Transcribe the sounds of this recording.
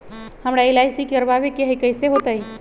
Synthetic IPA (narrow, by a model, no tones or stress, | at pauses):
həmɾaelaɪsikeɾbabekeɦəjkəɪseɦot̪ai